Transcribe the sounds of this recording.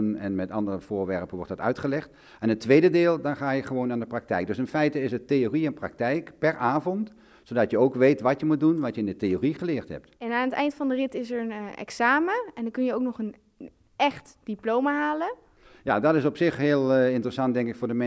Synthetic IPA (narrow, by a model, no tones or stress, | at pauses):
nɛnmɛtɑndərəv̥ʊːɹʋɛɹpənʋɔrtdɑtœ̰ɥtχəlɛχt | ɛnətːʋejdədɪːlˠdɑnχaːjəχəʋoːnaːndəprɑk̚tɛjk̚døsɪnfɛjtəɪsətejoriɛnprɑ̰k̚tɛjkpɛrʔaːvɔnt | sowdɑtjəowkʋejtʋɑtjəmut̚dunʋɑtjəɪndətejoriχəlɪːrthɛ̰p̚tɛnaːnətɛ̰jntfɑndərɪtɪsəɹənɛ̰ksaːməɛndkɵnjəowknɔχən | ɛχtd̥iplowmaɦaːlə | ja̰dɔtɪsɔpsɪχɦɪːlˠɪntərəsɑnt̚dɛŋkɪkfʊːɹdəmɛ